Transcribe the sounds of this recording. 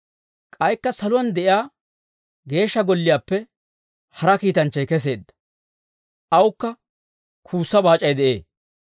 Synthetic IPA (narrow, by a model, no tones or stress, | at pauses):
kʼɐjkːɐsɐlʊwɐnd̪ɛʔɪaː | ɡe̞ːʃːɐɡɔlːɪjaːpːɛ | hɐɾɐkiːt̪ɐnt͡ʃːɐjkɛs̬e̞ːd̪ːɐ̥ | ʔɐwʊkːɐ | kʰuːsːɐbaːt͡ʃʼːɐjd̪ɛʔe̞̰ː